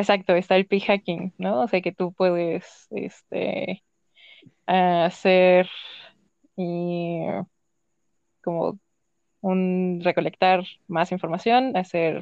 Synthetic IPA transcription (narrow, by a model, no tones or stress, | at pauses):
esak̚t̪o̞est̪aelpixakiŋnoose̞ake̞t̪upwe̞ðe̞s | ḛst̪ḛ | aseɾ | i | ko̞mo̞̰ | unre̞ko̞le̞k̚t̪aɾmasiɱfo̞ɾmasjo̞nase̞ɾ